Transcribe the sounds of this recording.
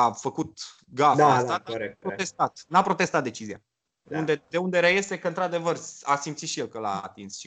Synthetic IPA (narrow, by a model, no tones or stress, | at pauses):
afəkut̪ | ɡafaasaɾekpɾot̪est̪at̪napɾo̞t̪e̞st̪at̪̚d̪e̞t͡ʃizija̰ | und̪e̞d̪e̞und̪e̞ɾejesekəɨnt̪ɾad̪e̞vərasimpt̪sit̪ʃijelkəla̰ːt̪insʃi